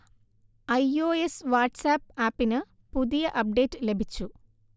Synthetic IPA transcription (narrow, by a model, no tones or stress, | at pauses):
ɐjoːesʋaːʈsaːpːaːpːinɨ | puðijɐʔɐp̚ɖe̞ːtːɨle̞bʱit͡ɕːu